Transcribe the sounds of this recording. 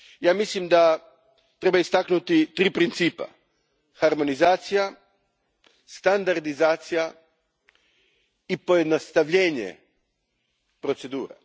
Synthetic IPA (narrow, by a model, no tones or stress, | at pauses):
jaːmislimd̪a | t̪ɾe̞baist̪aknut̪it̪ɾiːpɾint̪siːpa̰ | xaɾmo̞nizaːt̪sija | st̪and̪aɾd̪izaːt̪sija | ipo̞je̞d̪nost̪aʋʎe̞ːɲḛ | pɾo̞t̪se̞d̪uːɾa̰